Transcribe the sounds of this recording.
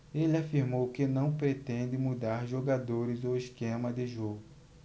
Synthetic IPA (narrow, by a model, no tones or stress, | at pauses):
elɪafiɾmowkɪnɐ̃w̃pɾet̪ẽnd̪ɪmud̪aɾʒoɡad̪oɾɪzʊɪskẽmɐd̪ɪʒoɡʊ